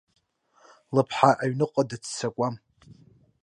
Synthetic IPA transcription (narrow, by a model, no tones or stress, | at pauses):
lɨpʰħaʔaɥnɨqʼadɨt͡sʰt͡sʰakʷʼam